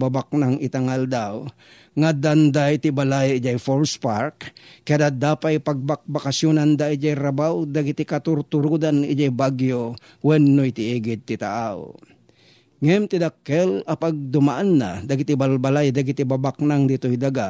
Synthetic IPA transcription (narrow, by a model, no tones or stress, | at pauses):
babak̚naŋɪt̪aŋald̪aw | ŋad̪and̪ajt̪ɪbalajd͡ʒajfolspaɾkːad̪ad̪apajpaɡ̚bak̚bakasjonand̪aʔid͡ʒajɾabawd̪aɡit̪ɪkat̪ʊɾt̪ʊɾud̪anɪd͡ʒajbaɡjo | wɛnːojt̪ɪiɡɪd̪̚t̪ɪt̪a̰ʔaw | ŋɛmt̪ɪd̪akːɛlapaɡ̚d̪ʊmaʔanːa̰d̪aɡit̪ɪbalbalajd̪aɡit̪ibabaknaŋd̪it̪oid̪aɡa